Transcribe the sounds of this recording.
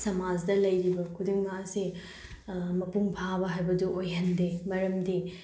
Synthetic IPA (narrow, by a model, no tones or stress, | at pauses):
sɐmad͡ʒdɐlɐjɾibɐkʰudiŋmasi | mɐpuŋpʰabɐɦajbɐduʔojɦɐndemɐɾɐmdi